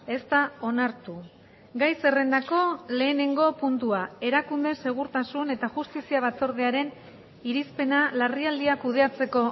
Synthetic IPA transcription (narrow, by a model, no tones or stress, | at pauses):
e̞st̪ao̞naɾt̪u | ɡajse̞re̞nd̪ako̞le̞ːne̞ŋɡo̞punt̪uae̞ɾakund̪e̞se̞ɣ̞uɾt̪asune̞t̪aʝust̪isiaβ̞at͡so̞ɾð̞eaɾe̞n | iɾispe̞nalariald̪iakuð̞e̞at͡se̞ko̞